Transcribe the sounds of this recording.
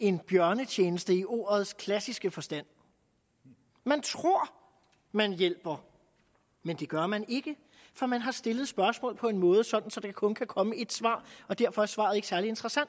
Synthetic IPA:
e̝nb̥jɶɐnət͡ɕʰeːnəsd̥əiʔo̝̰ːɐð̞ˠskʰlæsisɡ̥əfɒ̽sd̥æn̰ | mænt͡sʰʁo̝ɐ̰ | mænjel̰b̥ɐ | mend̥e̝ɡ̥ɶɐmæne̝ɡ̥ə | fɒ̽mænɦɑ̈sd̥e̝ləð̩ˠsb̥ɶɐsmɔ̰̽ːlpʰɒ̽e̝nmɔ̽ːð̞̩ˠəsɒ̽d̥n̩sɒ̽d̥ekʰækʰɔ̽nkʰækʰɒ̽məe̝d̥sʋɑ̰̈ːɒ̽d̥æɐ̰fɒ̽æɐsʋɑ̈ːð̩ˠe̝ɡ̥sæɐlie̝nd̥ʁɐsæn̰d̥

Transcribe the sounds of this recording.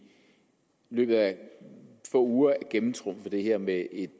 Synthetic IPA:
lø̰ːb̥ð̩ˠæ | fɔ̰ːuːɐæɡ̥emn̩t͡sʰʁɔ̽m̰fɒ̽d̥e̝ɦɛɐ̰meʔe̝d̥

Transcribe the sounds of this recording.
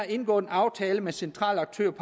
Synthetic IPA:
ɑe̝nɡ̥ɔ̰̽ːð̩ˠenɑ̈ʊt͡sʰɛːləmesent͡sʰʁɑ̰̈ːlɑ̈ɡ̥̚t͡sʰøɐpʰ

